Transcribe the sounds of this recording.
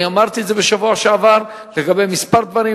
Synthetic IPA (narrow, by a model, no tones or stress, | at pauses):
iamaʁt̪iedzeveʃavuaʃeavaʁ | leɡabe̞jmispaʁd̪vaʁi